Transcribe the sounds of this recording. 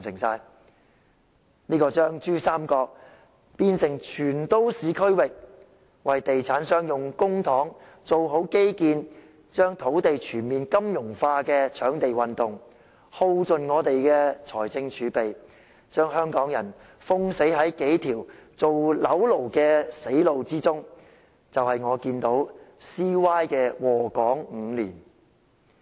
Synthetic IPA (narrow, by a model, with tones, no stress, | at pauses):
sɪ˨˩ŋsaː˧j | niː˥kɔː˧t͡ʃœː˥ŋt͡ʃyː˥saː˥mkɔː˧k̚ | piː˧nsɪ˨˩ŋt͡ʃʰyː˨˩nt̪o˥wsiː˨˧kʰɵ˥ɥwɪ˨k̚ | wɐ˨jt̪e˨jt͡sʰaː˨˥nsœː˥ŋjʊ˨˩ŋkʊ˥ŋt̪ʰɔː˨˥ŋ | t͡so˨wɦo˨˥wke˥jkiː˨˧n | t͡ʃœː˥ŋt̪ʰo˨˥wt̪e˨jt͡ʃʰyː˨˩nmiː˨nkɐ˥mjʊ˨˩ŋfaː˧kɛː˧t͡ʃʰœː˨˥ŋt̪e˨jwɐ˨nt̪ʊ˨˩ŋ | ho˧wt͡sɵ˨nŋɔː˨˧t̪e˨jkɛː˧t͡ʃʰɔ̰ː˨˩jt͡sɪ˧ŋt͡ʃʰyː˨˧pe˨j | t͡ʃœː˥ŋhœː˥ŋkɔː˨˥ŋjɐ˨˩n | fʊ˥ŋse˨˥jɦɐ˨˥jke˨˥jt̪ʰiː˨˩wt͡so˨wlɐ˨˥wlo˨˩wkɛː˧se˨˥jlo˨wt͡siː˥t͡sʊ˥ŋ | t͡sɐ˨whɐ˨jŋɔː˨˧kiː˧nt̪o˨˥wsiː˥waː˥jkɛː˧wɔː˨˩kɔː˨˥ŋ̩ː˨˧liː˨˩n